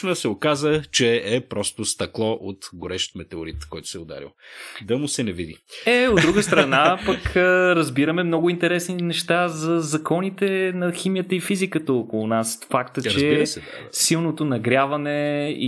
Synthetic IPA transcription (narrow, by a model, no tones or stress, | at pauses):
nəsɛokazət͡ʃɛɛpɾɔst̪ʊst̪ɐklˠɔʔot̪ɡʊɾɛʃt̪mɛt̪ɛʊɾit̪kɔjt̪ʊ̥sɛʊd̪a̰ɾḭlˠd̪ɐmʊsɛnɛvid̪ḭɛod̪ɾuɡəst̪ɾənapɐkəɾɐzbiɾəmɛmnɔɡʊint̪ɛɾɛsninɛʃt̪azɐzɐkɔnit̪ɛnɐximijət̪əifizikət̪əokolˠʊnasfakt̪əɾt͡ʃzɛsɛ | silˠnot̪onɐɡɾʲavɐnɛḭ